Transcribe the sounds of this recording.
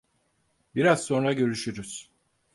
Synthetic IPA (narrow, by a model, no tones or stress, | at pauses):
biɾazso̞nɾaɟø̞ɾyʃyɾyz̥